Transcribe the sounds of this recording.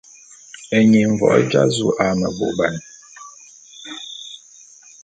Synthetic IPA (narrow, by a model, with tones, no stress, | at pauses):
ɛ˨ɲe˨ɱ̩˨vɔ̰˨ʔɛ̰˦d͡ʒa̰˦zu˨ʔa˦mɛ˨bo̰˨ba˨n˨